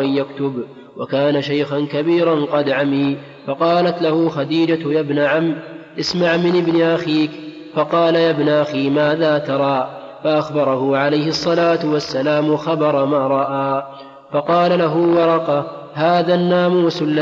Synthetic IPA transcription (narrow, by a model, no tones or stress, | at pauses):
ʔanjakt̪ʊb | wakaːnaʃajxankabiːɾanqɑd̪ʕamiː | fɑqɑːlat̪lahʊːxɑd̪iːd͡ʒajabnaʕamːʔɪsmaʕmɪnʔɪbnɪʔaxiːk | fɑqɑːlajabnʔaxiːmaːðaːt̪ɑɾˤɑː | faʔaxbɑɾˤɑhʊʕalajhɪsˤːɑlaːt̪ʊwasːalaːmxɑbɑɾˤmaːɾˤɑʔaː | fɑqɑːlalaɦʊːwɑɾˤɑqɑ | haːðaːnːaːmuːsʊlːa